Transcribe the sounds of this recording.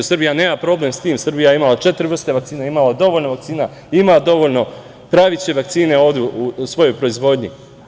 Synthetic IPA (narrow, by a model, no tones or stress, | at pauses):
usrbijane̞ːmapɾo̞ːble̞mst̪iːmsɨrbijajeimalˠat͡ʃet̪ɾiʋr̩st̪e̞ʋak̚t̪siːnaimalad̪o̞ʋoʎnoʋak̚t̪siːna | imad̪o̞ʋo̞ʎno̞ | pɾaʋit͡ɕe̞ʋakt̪siːne̞o̞ːvd̪eusʋo̞jo̞jpɾo̞izʋo̞d̪ɲi